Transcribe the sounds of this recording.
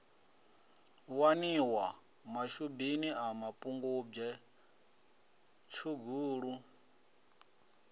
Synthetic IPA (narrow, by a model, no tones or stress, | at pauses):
waniwa | maʃubiniʔamapʼuŋɡub͡ʐɛ | t͡ʃʰuɡuːɺu